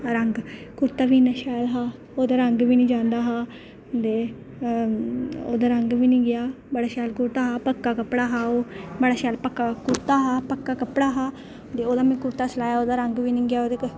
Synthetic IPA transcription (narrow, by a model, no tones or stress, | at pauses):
ɾəŋɡkʊɾt̪aːʋiːnaʃaːlɦaː | oːd̪aːɾəŋɡʋiːnĩːd͡ʒãːnd̪aːɦaː | d̪eː | o̰ːd̪aːɾəŋɡʋiːnĩːɡɪjaː | bəɽaːʃaːlkʊɾt̪aːɦaːpəkːaːkəpɽaːɦaːoːbəɽaːʃɛːlpəkːaːkʊɾt̪aːɦaːpəkːaːkəpɽaːɦaː | d̪eːoːd̪aːmɛ̃ːkʊɾt̪aːsəlaːjaːoːd̪aːɾəŋɡʋiːnĩːɡɪjaːoːd̪eːk